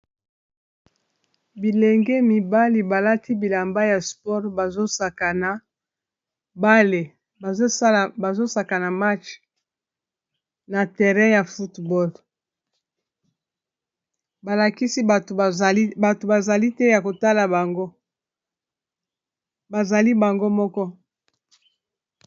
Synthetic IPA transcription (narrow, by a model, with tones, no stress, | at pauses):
bi˨le˨ŋɡɛ˦mi˨ba˦li˨ba˨la˦tʰi˦bi˨la˨mba˦ja˨spɔ˦ʁba˨zo˦sa˨ka˨na˨ | ba˦le˨ | ba˨zo˦˨ba˨zo˦sa˨ka˨na˨ma˦t͡ʃ | na˨tɛ˨ʁɛ̃˦ja˨fu˦tbɔ˦l | ba˨la˨ki˦si˦ba˨tba˨to˨ba˨za˨li˦tɛ˦ja˨ko˨ta˦la˨ba˨ŋɡo˦ | ba˨za˨li˦ba˨ŋɡo˦mɔ˦kɔ˦